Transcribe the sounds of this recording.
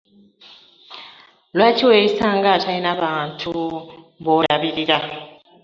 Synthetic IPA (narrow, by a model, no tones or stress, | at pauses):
lwaciwesaːŋɡatʰainaβaːntʰu | βoːɾaβiɾiɾa